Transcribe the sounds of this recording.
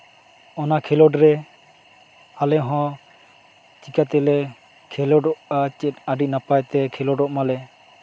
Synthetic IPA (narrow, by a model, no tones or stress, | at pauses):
ɔnakʰɛlɔɖɾɛ | alɛɦɔ̃ | t͡ʃikat̪ɛlɛ | kʰɛlɔɖɔʔat͡ʃɛt̪̚aɖiʔ̚napajt̪ɛkʰɛlɔɖɔʔmalɛ